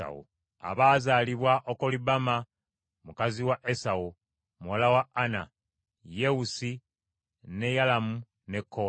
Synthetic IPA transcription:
a̰ṵ | a̰βaːzaːliβwaʔokolibama | mukaziwaʔesawu | mwolawaana | je̞usi | ne̞jalamu | ne̞kʰːo

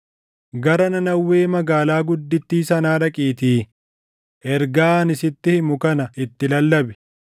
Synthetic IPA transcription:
ɡɐɾɐnɐnɐwːe̞ːmɐɡaːlaːɡʊd̪ːɪt̪ːiːsɐnaːᶑɐkʼiːt̪iː | ʔɛɾɡaːnɪsɪt̪ːɪhɪmʊkɐnɐɪt̪ːɪlɐlːɐbɛ̥

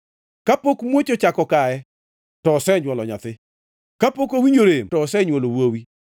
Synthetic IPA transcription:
kapokmwot͡ʃot͡ʃakɔkaɛ | tɔːsɛɲwɔlɔɲa̰t̪ɪ | kapokowiɲoɾemtɔːsɛɲwolowowi

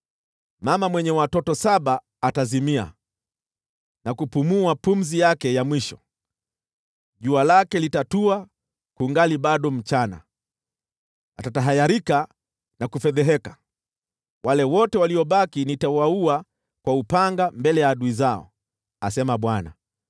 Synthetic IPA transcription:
mamamwɛɲɛwatɔtɔsaɓaː | tazimia̰ | nakupumuapum̩zijakɛjamwiʃɔ | ʄualakɛlitatua | kuŋɡaliɓaɗɔm̩t͡ʃana̰ | atataɦajaɾika | nakufɛðɛɦɛkḁ | wʔalɛwɔtɛwaliɔɓakinitawaua | kwaupaŋɡambɛlɛjaːɗuizaɔ̰ | asɛmaɓwana̰

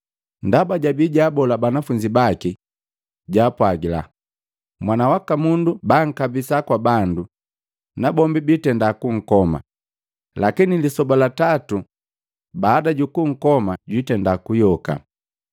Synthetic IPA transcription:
ndabaɟabiɟaːbɔlabanafuɲd͡ʒibaki | ɟaːpwaɡila̰ | mwanawakamundubaŋ̩kabisakwabandu | nabɔmbibitɛndakuŋ̩kɔma̰ | lakinilisɔbalatatu | baːdaɟukuŋ̩kɔmaɟwitɛndakujɔka̰

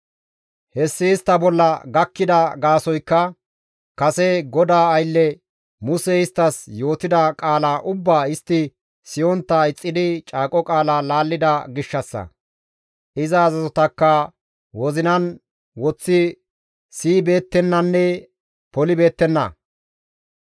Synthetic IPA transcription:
hɛsːɪɪst̪ːɐbɔlːɐɡɐkːɪd̪ɐɡaːsɔjkːɐ | kɐsɛɡɔd̪aːɐjlːɛ | mʊsɛɪst̪ːɐsjo̞ːt̪ɪd̪ɐkʼaːlaːʔʊbːaːɪst̪ːɪ | sɪjɔnt̪ːɐɪt͡sʼːɪd̪ɪt͡ʃʼaːkʼɔkʼaːlaːlaːlːɪd̪ɐɡɪʃːɐsːɐ̰ | ʔɪzɐːzɐzɔt̪ɐkːɐ | wɔzɪnɐn | wɔt͡sːɪ | siːbe̞ːt̪ːɛnːɐnːɛ | pɔlɪbe̞ːt̪ːɛnːɐ̰

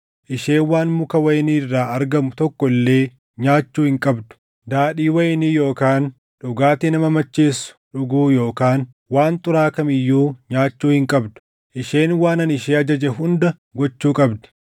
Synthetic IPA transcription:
ʔɪʃeːnwaːnmʊkɐwɐjɪniːrːaːɐɾɡɐmʊt̪ɔkːɔɪlːe̞ː | ɲaːt͡ʃːuːhɪŋkʼɐbd̪ʊ̥ | d̪aːɗiːwɐjɪniːjo̞ːkaːn | ᶑʊɡaːt̪inɐmɐmɐt͡ʃːeːsːʊ̥ᶑʊɡuːjo̞ːkaːn | waːnt̪ʼʊɾaːkɐmɪjːuːɲaːt͡ʃːuːhɪŋkʼɐbd̪ʊ̥ | ʔɪʃeːnwaːnɐnɪʃeːɐd͡ʒɐd͡ʒɛɦʊnd̪ɐ | ɡɔt͡ʃːuːkʼɐbd̪ɐ̥

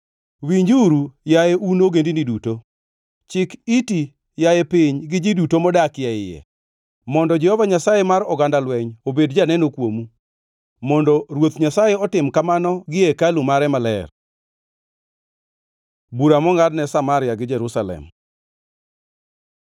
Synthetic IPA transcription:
wiɲd͡ʒuɾujajeunoɡendiniduto | t͡ʃɪkiti | jajɛpɪɲɡɪd͡ʒidutomɔdakjɛɪjɛ̰ | mɔndɔd͡ʒɛhɔvaɲasajemaɾɔɡandalwɛɲobedd͡ʒanɛnokwomu | mɔndɔɾwot̪ɲasajeɔtɪmkamanɔɡɪekalumaɾɛmalɛ̰r | buɾamɔŋadnɛsamaɾɪjaɡɪd͡ʒɛɾusalɛ̰m

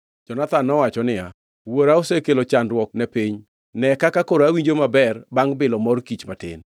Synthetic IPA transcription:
d͡ʒɔnat̪anːɔwat͡ʃɔnɪja | woɾaosekelot͡ʃandwɔk̚nɛpiɲ | nɛkakakoɾoawiɲd͡ʒomabɛrbaŋbɪlɔmɔrkit͡ʃmatɪ̰n

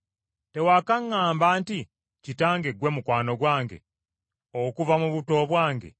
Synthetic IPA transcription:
te̞wakaŋːaːmbaːnti | citaːŋɡe̞ɡwe̞mukwaːno̞ɡwaːŋɡe̞̰ | okuvamuβuto̞ːβwaːŋɡe̞̰

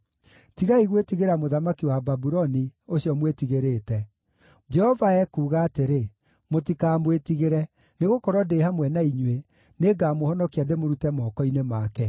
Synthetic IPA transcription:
tiɣaiɣwetiɣeɾamoðamakiwababuɾɔnioɕiɔmwetiɣeɾeːtɛ | d͡ʒɛhɔvaɛkuːɣaːteɾe | motikaːmwetiɣeɾɛ | neɣokɔɾwɔdehamwɛnaiɲwe | neɡaːmohɔnɔkiademoɾutɛmɔkɔinemakɛ

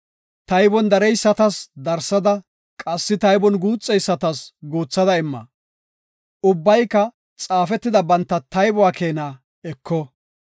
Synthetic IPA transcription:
t̪ɐjbɔnd̪ɐɾɛjsːɐt̪ɐsd̪ɐɾsɐd̪ɐ | kʼɐsːɪt̪ɐjbɔnɡuːt͡sʼːɛjsːɐt̪ɐsɡuːt͡sːɐd̪ɐɪmːɐ̰ | ʊbːɐjkːɐ | t͡sʼaːfɛt̪ːɪd̪ɐbɐnt̪ːɐt̪ɐjbʊwaːkeːnaː | ɛkːɔ

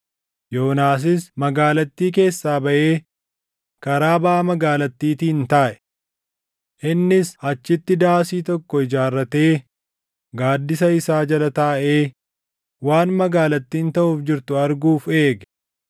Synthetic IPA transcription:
jo̞ːnaːs̬ɪsmɐɡaːlɐt̪ːiːk̬e̞ːsːaːbɐʔe̞ː | kɐɾaːbaːmɐɡaːlɐt̪ːiːt̪iːnt̪ɐːʔɛ̥ | ʔɪnːɪshɐt͡ʃːɪt̪ːɪd̪aːsiːt̪ɔkːɔɪd͡ʒaːrːɐt̪e̞ː | ɡaːd̪ːɪsɐɪsaːd͡ʒɐlɐt̪ɐʔe̞ː | waːnmɐɡaːlɐt̪ːiːnt̪ɐʔuːfd͡ʒɪɾt̪ʊɐɾɡuːfe̞ːɡ

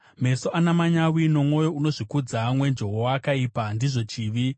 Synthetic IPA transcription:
me̞soʔanamaɲawino̞mwo̞jo̞uno̞ʐikud͡zamwe̞nd͡ʒo̞ɦowakaipandiʐo̞t͡ʃiːʋi

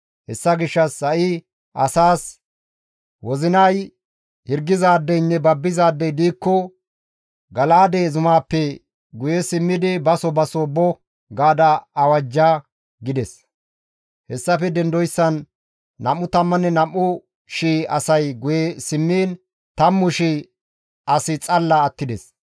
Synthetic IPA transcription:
hɛsːɐɡɪʃːɐsːɐʔɪ | ʔɐsaːs | wɔzɪnɐj | hɪɾɡɪzaːd̪ːɛjnːɛbɐbːɪzaːd̪ːɛjd̪iːkːɔ | ɡɐlaːd̪ezʊmaːpːɛ | ɡʊjɛsɪmːɪd̪ɪbɐsɔbɐsobɔ | ɡaːd̪ɐːwɐd͡ʒːaː | ɡɪd̪ɛs | hɛsːɐfɛd̪ɛnd̪ɔjsːɐnː | ɐmːʊt̪ɐmːɐnɛnɐmːʊ | ʃiːɐsɐjɡʊjɛsɪmːiːn | t̪ɐmːʊʃi | ʔɐsɪt͡sʼɐlːɐːt̪ːɪd̪ɛs

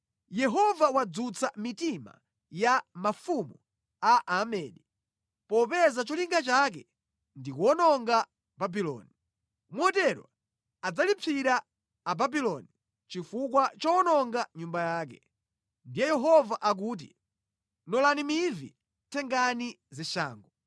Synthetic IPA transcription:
jɛɦɔvawad͡zut͡samitima̰ | jamafumu | aʔamɛːni | pɔpɛzat͡ʃɔliŋɡat͡ʃak̬ɛ | ndikuɔnɔŋɡa | babilɔ̰ːni | mwɔtɛɾwa̰ | ad͡zalipʰiɾaː | babilɔni | t͡ʃifukwat͡ʃɔɔnɔŋɡaɲumbajaːk̬ɛ̰ | ndijɛjɛɦɔvaʔak̬uːt̬ḭ | nɔlanimivḭ | tʰɛŋɡani | zɛʃa̰ːŋɡɔ

